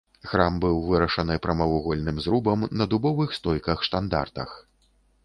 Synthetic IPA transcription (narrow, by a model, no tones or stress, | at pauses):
xɾambɨwvɨɾɐʂɐnɨpɾɐmɐvuɣɔlʲnɨmzɾubɐmnɐd̪ubɔvɨxst̪ɔjkɐxʂt̪and̪a̰rt̪ɐ̰x